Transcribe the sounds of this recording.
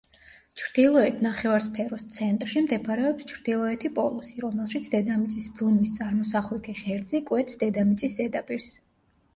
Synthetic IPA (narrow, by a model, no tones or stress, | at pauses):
t͡ʃʰɾd̪̥ilˠɔɛt̪ʰnaχɛvaɾspʰɛɾɔst̪sʰɛnt̪ʼɾʃimd̪ɛpʰaɾɛɔpst͡ʃʰɾd̪ilˠɔɛt̪ʰipʼɔlˠusiɾɔmɛlˠʃit̪sʰd̪ɛd̪amit̪sʼisbɾunwist̪sʼaɾmɔsaχlɛk̪ʰɛʁɛɾd̪zikʼwɛt̪sd̪ɛd̪amit̪sʼisːɛd̪apʼiɾs